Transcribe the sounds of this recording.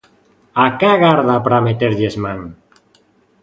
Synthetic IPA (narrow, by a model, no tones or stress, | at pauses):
akaɣaɾðapɾamet̪eɾʎezmaŋ